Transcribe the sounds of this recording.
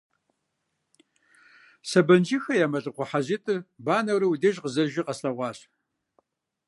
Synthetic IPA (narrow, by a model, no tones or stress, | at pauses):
sɐbɐnd͡ʒixɐjaːmɐɬʼɨqʷʊħaʑitʼɨbaːnɐwɾiwudɐʒqəzɐʒiqɐsɬɐʁʷɑːɕ